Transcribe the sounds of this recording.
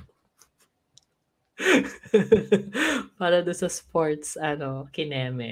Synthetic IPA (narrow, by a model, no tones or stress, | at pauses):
paːɾɐd̪ʊnsɐspoɹt̪sɐnokɪnɛːmɛ